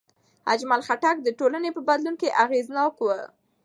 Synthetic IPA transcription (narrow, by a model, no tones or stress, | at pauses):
a̰d͡ʒmalxaʈak̚d̪əʈolanepəbad̪lunkeʔaɣeznɑkwə̰